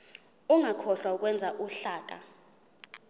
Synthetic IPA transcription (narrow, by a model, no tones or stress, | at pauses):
uŋakʰɔɬwauk̬ʼwɛnd͡zʱaʔuɬaːk̬ʼa